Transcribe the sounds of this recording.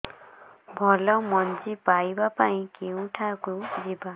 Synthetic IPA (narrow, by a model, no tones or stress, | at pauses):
bʱɔlɔmʌnt͡sipajbapaĩkeũʈʰakod͡ziba